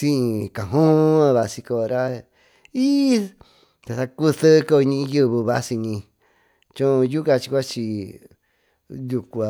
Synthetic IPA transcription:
sĩ˦˧˨kã˨ɦõ˦a˧βa˧si˧ko˧˨ɾa˦ | i˦ | t̪a˧sa˧ku˦θɨ˦˧ko˦˧ɲĩ˧ĩ˧ju˦˧βɨ˧βa˧si˧ɲĩ˧ | t͡ʃõ˦˧ju˦ka˧t͡ʃi˧kʷa˦t͡ʃi˧ | ju˧kʷu˧a˨

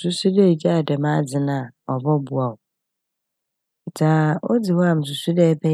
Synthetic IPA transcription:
su˦su˦dɛ˦˨d͡ʑa˦a˨dɛ˨mã˦d͡zɪ˨nã˨ɔ˨bɔ˦bu˨a˨ʊ˨ | tʰa˨ɔ̰˦d͡zɪ˨wɔ˦a˨m̩˨s̬u˨su˦dɛː˦bɛ˦

